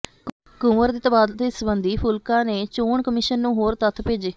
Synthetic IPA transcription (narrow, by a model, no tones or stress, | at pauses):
kʊ̃ːməɾd̪iːt̪əbaːd̪t̪esəbənd̪iːpʰʊlkãːneːt͡ʃoːɳkəmɪʃənːũːɦoːɾt̪ət̪ʰpeːd͡ʒeː